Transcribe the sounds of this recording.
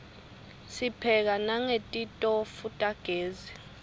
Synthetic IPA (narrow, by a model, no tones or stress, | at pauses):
sipʰɛk̬anaŋetʼitʼɔfutʼaɡ̥ʱeːzi